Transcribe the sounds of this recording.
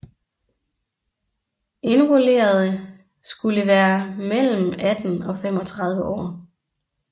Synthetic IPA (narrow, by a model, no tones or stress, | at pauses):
e̝nʁole̝̰ːɐð̞ˠə | sɡ̥uləʋæːɐmel̰m̩æd̥n̩ɒ̽fem̰ɒ̽t͡sʰʁɑ̈ð̞ˠʋəʔɒ̰ː